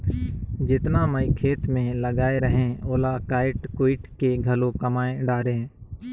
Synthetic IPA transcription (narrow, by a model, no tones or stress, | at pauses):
d͡ʒɪt̪naməikʰeːt̪mẽləɡaːeɾəɦẽoːlakaːɪʈkoːɪʈkeɡʱəlõkəmaːẽɖaːɾẽː